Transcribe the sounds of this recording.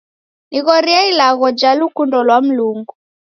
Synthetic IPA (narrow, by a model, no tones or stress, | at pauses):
niɣɔɾiailaɣɔd͡ʒalukundɔlwam̩luŋɡu